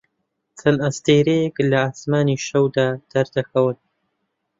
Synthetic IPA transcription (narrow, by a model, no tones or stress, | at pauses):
t͡sʰɐnast̪eːɾejɛklɐaːsmaːniʃɐwd̪aːd̪̥ɐɾd̪ɐxɐwɨn